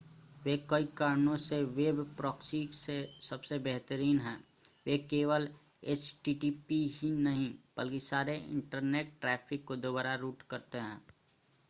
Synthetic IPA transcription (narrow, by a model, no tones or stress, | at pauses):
ʋekɐikaːɾnõseʋeːbpɾɔːksiːksesɐbsebɛɦt̪əɾiːnɦɛ̃ː | ʋekeːʋəl | et͡ʃʈiːʈipiɦinɐɦĩb̥ɐlkisaːɾeɪ̰̃ɳʈəɾneːʈːʈɾɛːpʰɪkːod̪oːbaːɾaɾuːʈkɐɾt̪eɦɛ̰̃ː